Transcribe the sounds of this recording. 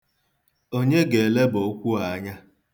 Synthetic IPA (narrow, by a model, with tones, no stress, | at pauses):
o˦ɲe˦ɡe˨le˦bo˨˦kʷu˦a˨˦ɲa˦